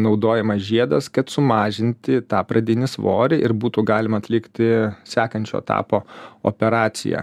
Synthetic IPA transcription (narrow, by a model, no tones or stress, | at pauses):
nɒʊd̪oːjɛmɐsʒʲiɛd̪ɐskɐt̪sʊmɑːʒʲɪnʲt̪ʲɪt̪ɑːpɾʔɐd̪ʲɪnʲɪsʋo̰ːɾʲɪʔɪɾbuːt̪uɡɑːlʲɪmɐɐt̪ʲlʲɪkt̪ʲɪsʲæːkɐnʲt͡ʃʲo̰ːt̪ɑ̰ːpoːo̰pʲɛɾɑːt̪sʲɪ̰jæ̰ː